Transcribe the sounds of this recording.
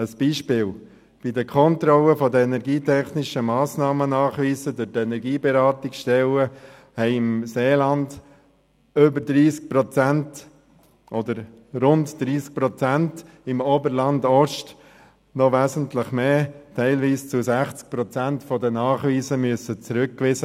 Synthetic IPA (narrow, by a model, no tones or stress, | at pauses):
əsb̥iːʃpɪːl | b̥idəkʰɔnt̪ɾɔləfɔdəɛnɛɾɡiːtʰɛχnɪʃəmɑːsnɑːmənɑːχʋiːsədʊtɛnɛɾɡiːbɛɾɑːtɪksʃtɛlə | hɛɪɪmseːlɑnd | ʏbəɾdɾiːsk̚pɾɔt͡sænt | ʔɔd̪əɾ | ɾʊndd̥ɾiːsk̚pɾɔt͡sænt | ɪmoːbəɾlɑndɔʃt | nɔʋæzən̩tləχmeːtʰɛɪlʋiːst͡sʊsæχt͡sk̚pɾɔt͡sæntfɔdənɑːχʋiːsəmyəsət͡sɾʉk̚kʋɪzə